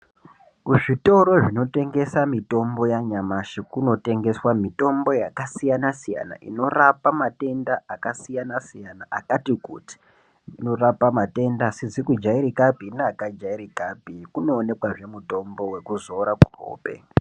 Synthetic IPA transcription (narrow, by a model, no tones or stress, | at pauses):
kuʐito̞ɾo̞ʐino̞te̞ŋɡe̞samito̞mbo̞jaɲamaʃekuno̞te̞ŋɡe̞swamito̞mbo̞jakasijanasija̰na̰ʔḭno̞rapamate̞ndaʔakasijanasijanaʔakatikṵti̥ː | no̞rapamate̞ndasid͡zikud͡ʒaiɾikabʱineakad͡ʒaiɾikabʱikuno̞ːne̞kwaʐe̞muto̞mbo̞we̞kuzo̞ɾakuro̰ːpe̞̰